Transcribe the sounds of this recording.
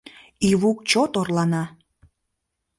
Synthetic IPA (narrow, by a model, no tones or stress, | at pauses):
iβuk̚t͡ɕot̪orlɑnɑ